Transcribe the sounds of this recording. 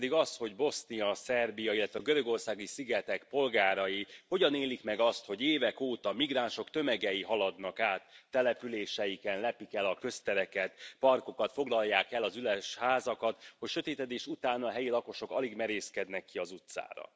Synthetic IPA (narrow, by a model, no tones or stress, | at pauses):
d̪iɡɒsho̞ɟbo̞snijɒsɛrbijɒilːɛt̪ʋɛɒɡøɾø̞ɡo̞rsaːɡisiɡɛt̪ɛkpo̞lɡaːɾɒjiho̞ɟɒneːlikmɛɡɒst̪ho̞ɟeːvɛkoːt̪ɒmiɡraːnʃo̞kt̪ø̞mɛɡɛjiɦɒlɒd̪nɒkaːt̪ːɛlɛpyleːʃɛjikɛnlɛpikɛlɒkø̞st̪ɛɾɛkɛt̪pɒrko̞kɒt̪fo̞ɡlɒlːaːkɛlɒzylɛʃhaːzɒkɒt̪ho̞cʃø̞t̪eːt̪ɛd̪eːʃut̪aːnɒɦɛjilɒko̞ʃo̞kɒ̰liɡmɛɾeːskɛd̪nɛkːiɒzut̪sa̰ːɾɒ̰